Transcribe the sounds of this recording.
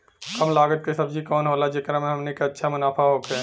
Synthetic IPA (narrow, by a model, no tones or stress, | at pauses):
kəmlaːɡət̪̚kesəbd͡ʒʱikɔːnɦoːlad͡ʒekɾamẽɦɐmnikeɐtːʃʰamʊnaːpʰaɦokɛ